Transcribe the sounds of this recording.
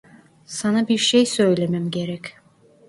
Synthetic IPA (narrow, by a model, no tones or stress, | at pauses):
sanabiɾʃejsø̞jlʲemæmɟe̞ɾɛc